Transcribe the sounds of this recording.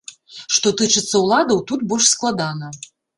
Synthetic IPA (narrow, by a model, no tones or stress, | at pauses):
ʂt̪ɔt̪ɨt͡ʂɨt̪sːɐwlˠad̪ɐwt̪ut̪̚bɔʂsklˠad̪anɐ